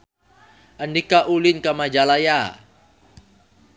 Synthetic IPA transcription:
ʔəndikaʔulinkamad͡ʒalaja

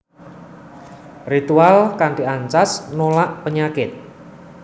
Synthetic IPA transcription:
rit̪ualkaɳʈiaɲt͡ʃasnolaʔpəɲakɪt̪̚

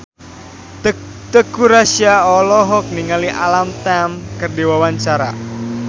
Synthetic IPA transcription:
t̪əkuɾasiaɔlɔɦɔk̚niŋaliʔalamt̪ɛmkərdiwawaɲt͡ʃaɾa̰

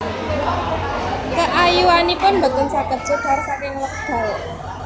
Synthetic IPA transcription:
kəʔajuwanipʊnmbəkənsaɡ̥ət̪̚sokarsakɪŋlək̚d̪̥ɔ̤w

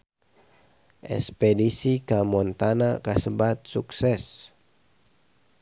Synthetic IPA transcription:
ʔɛ̰spɛdisikamɔnt̪anakasəbat̪̚suksɛs

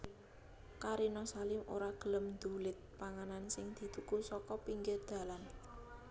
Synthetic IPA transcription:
kaɾinɔsalɪmoɾaɡ̥ə̤ləmd̪̥ulɪt̪̚paŋanansɪŋd̪̥i̤t̪ukusɔkɔpiŋkɪrd̪̥ä̤lan

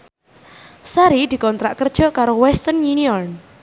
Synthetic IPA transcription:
saɾid̪̥i̤kɔnt̪ɾa̰ʔkərd̥ʒ̥ɔ̤kaɾowɛst̪ənjuniɔn

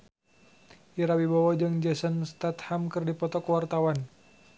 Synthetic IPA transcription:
ʔiɾawibawad͡ʒɨŋd͡ʒɛsənst̪at̪hamkɨrdipɔt̪ɔkəwart̪awan

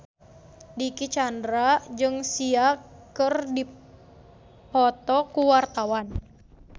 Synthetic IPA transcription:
dikit͡ʃandɾad͡ʒɨŋsiakɨrdi | pɔt̪ɔkuwart̪awan

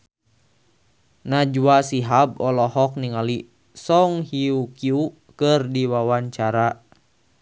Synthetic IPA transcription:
nad͡ʒuasiɦab̚ɔlɔɦɔk̚niŋali | sɔŋhiukiu | kɨrdiwawaɲt͡ʃaɾa

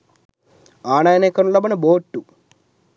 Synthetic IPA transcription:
aːɳɐjɐneːkɐnulɐbɐnɐboːʈːu

